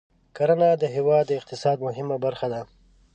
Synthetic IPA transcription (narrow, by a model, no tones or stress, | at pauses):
kaɾanɑd̪əɦɪwɑd̪ːəɪq̚t̪ɪsɑd̪mʊɦɪmabaɾxad̪a